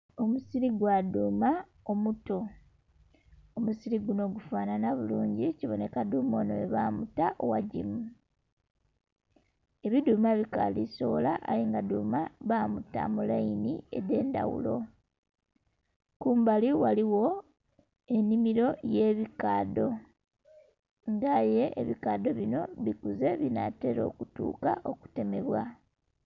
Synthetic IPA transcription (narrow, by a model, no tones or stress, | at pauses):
o̞musiɾiɡwaduːma | omuto̞ | omusiɾiɡuno̞ːɡufaːnanaβuluːɲɟiciβo̞ne̞kaduːmo̞noeβamutaʔowaɟḭmu | e̞βiduːmaβika̰ːdiso̞̰laʔa̰jiːŋɡaduːmaβaːmuta̰mulainiḛde̞ːnda̰wṵlo̞ | kuːmbaliwaliwo̞ | e̞nimiɾo̞je̞βikaːdo̞ | ŋɡaje̞ːβikado̞βino̞βikuze̞βinate̞ɾo̞̰ːkutṵːkaʔo̞ku̥te̞me̞βwa